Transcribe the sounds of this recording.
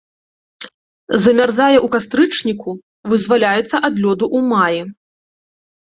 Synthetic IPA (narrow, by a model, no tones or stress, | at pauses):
zɐmʲarzajɛʔukast̪ɾɨt͡ʂnʲiku | vɨzvalʲajɛt̪sːɐʔad̪lʲɔd̪uʔumaji